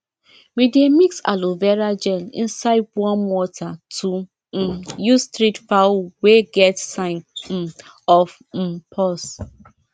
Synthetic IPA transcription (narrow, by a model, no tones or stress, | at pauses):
widemiksa̰lovɛɹad͡ʒɛlḭ̃nsaɪd̚wɔ̃nwɔtʰatʰu | justɹitfaweɡɛtsãɪ̃n̩ | ɔf̩ | pʰɔs